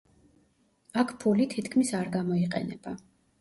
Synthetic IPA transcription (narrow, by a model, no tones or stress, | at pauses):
akʰpʰulit̪ʰit̪ʰkʰmisaɾɡamɔiqʼɛ̰nɛ̰b̥a